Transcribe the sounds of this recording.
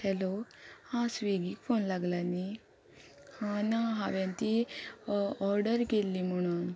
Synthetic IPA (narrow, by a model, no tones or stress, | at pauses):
hɛlohãsʋiɡikfonlaɡlani | hãnaɦãʋjãnt̪i | ɔɾɖəɾkelːim̤əɽ̃uːn